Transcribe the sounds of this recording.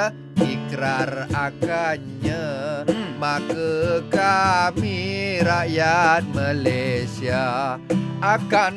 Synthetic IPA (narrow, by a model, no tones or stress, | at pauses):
ʔikɾarakaɲə | makəkamiɾaʔjat̪̚malasia | ʔakan